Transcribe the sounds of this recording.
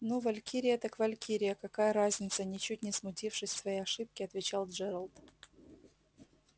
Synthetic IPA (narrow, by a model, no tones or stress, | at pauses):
nuvɐlʲkʲiɾʲɪjət̪akvɐlʲkʲʰiɾʲɪjəkɐkajəɾazʲnʲɪt̪sənʲɪt͡ɕutʲnʲɪsmʊtʲifʂɨsʲsvɐjejɐʂɨp̚kʲɪɐt̪vʲɪt͡ɕalˠʐɛɾəlˠd̪